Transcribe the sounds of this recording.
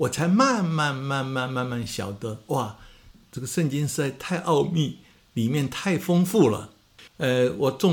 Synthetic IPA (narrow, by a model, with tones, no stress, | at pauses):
wɔ˨˩t͡sʰa˧˥ɪma˥˧nma˥˧nma˥˧nma˥˧nma˥˧nma˥˩nɕjɑ̰˨˩ʊt̪ə˧˦wa˥˩ʈ͡ʂɤ˥˩ɡə˩ʂə˥˩nt͡ɕi˥ŋʂɻ̩˥˧t͡sa˥˧ɪt̪ʰa˥˧ɪʔɑ˥˧ʊmi˥˩ | li˨˩mjɛ˥˧nt̪ʰa˥˩ɪfɤ˥ŋfu˥˩lə̰˩ | ɛ˧wɔ˨˩t͡sʊ˥˧